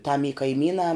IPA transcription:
tɐm iː kɐɪˈmʲiːnɑː

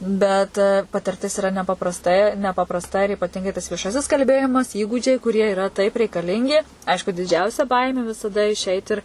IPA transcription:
bʲɛt pɐtʲɪrʲˈtʲɪs ɪˈrɐ nʲɛpɐprɐsˈtɐɪ nʲɛpɐprɐsˈtɐ ɪr ɪpɐˈtʲɪŋɡɐɪ tɐs ʋʲiɛˈʃɑːsʲɪs kɐlʲˈbʲeːjɪmɐs ˈiːɡuːd͡ʒʲɛɪ kʊˈrʲiɛ ɪˈrɐ tɐɪp rʲɛɪkɐˈlʲɪŋʲɡʲɪ ˈɐɪʃkʊ dʲɪˈd͡ʒʲɛʊsʲɛ ˈbɐɪmʲeː ʋʲɪsɐˈdɐ ɪʃʲˈɛɪt ɪr

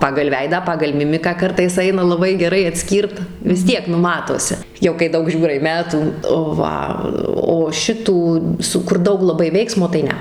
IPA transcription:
ˈpɑːɡɐlˠ ˈʋʲɛɪdɑː ˈpɑːɡɐlˠ ˈmʲɪmʲɪkɑː ˈkɐrtɐɪs ˈɐɪnɐ lˠɐˈbɐɪ ɡʲɛˈrɐɪ ɐtʲˈsʲkʲiːrt ʋʲɪs ˈtʲiɛk nʊ ˈmɑːtoːsʲɪ jɛʊ kɐɪ ˈdɐʊk ˈʒʲuːrɐɪ ˈmʲæːtuː oː ˈʋɐ oː ˈʃʲɪtuː sʊ kʊr ˈdɐʊk lˠɐˈbɐɪ ˈʋʲɛɪksmoː tɐɪ ˈnʲɛ

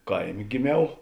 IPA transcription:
ˈkɐɪˌmʲeː ɡʲɪˈmʲɛʊ

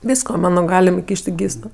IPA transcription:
ˈʋʲiːskoː ˈmɑːnoː ˈɡɑːlʲɪm ɪˈkʲiːʃʲtʲ ɪ ˈɡʲiːsoː

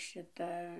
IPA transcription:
ˈʃʲɪtɐ

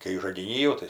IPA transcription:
kɐɪ ʒɐɡʲɪˈnʲiː jɛʊ tɐɪ

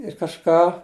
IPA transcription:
ɪr kɐʃˈkɑː

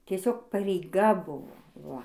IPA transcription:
tʲiɛˈsʲoːk pɐrʲɛɪˈɡɐ ˈbʊʋoː ˈʋɐ

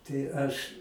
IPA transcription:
tɐɪ ˈɐʃ

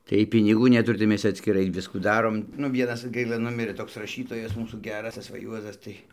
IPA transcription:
tɐɪ ˈjiɛj pʲɪnʲɪˈɡuː nʲɛˈtʊrʲɪ tɐɪ ˈmʲɛs t͡sʲɛ ɐtʲsʲkʲɪˈrɐɪ ˈʋʲɪskuː ˈdɑːroːm nʊ ˈʋʲiɛnɐs ˈɡɐɪlˠɐ ˈnʊmʲɪrɘ ˈtoːks rɐˈʃʲiːtoːjɛs ˈmuːsuː ˈɡʲæːrɐs ˈtɐs ˈʋɐ ˈjuɔzɐs ˈtɐɪ

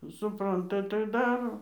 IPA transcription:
sʊˈprɐntɐ tɐɪ ˈdɑːroː

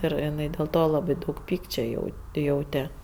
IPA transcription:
ˈɪr ɪˈnɐɪ dʲeːlˠ ˈtoː lˠɐˈbɐɪ dɐʊk ˈpʲiːkt͡ʃʲoː jɛʊ ˈjɛʊtʲɛ

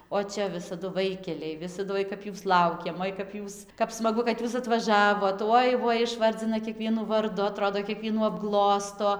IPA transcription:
oː ˈt͡ʃʲɛ ʋʲɪsɐˈdʊ ˈʋɐɪkʲɛlʲɛɪ ˈʋʲɪsɐdʊ ˈoːɪ kɐp ˈjuːs ˈlˠɐʊkʲeːm ˈoːɪ kɐp ˈjuːs kɐɪp smɐˈɡʊ kɐt ˈjuːs ɐtʋɐˈʒɑːʋoːt ˈoːɪ ˈʋoːɪ ɪʃˈʋɐrʲd͡zʲɪnɐ kʲiɛˈkʋʲiɛnuː ʋɐrˈdʊ ɐˈtroːdoː kʲiɛˈkʋʲiɛnuː ɐbˈɡlˠoːstoː

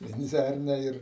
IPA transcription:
ʋʲɛnʲˈd͡zʲærʲnʲɛ ɪr

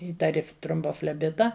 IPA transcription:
ˈiːtɐrʲɪ troːmboːfʲlʲɛˈbʲɪtɐ

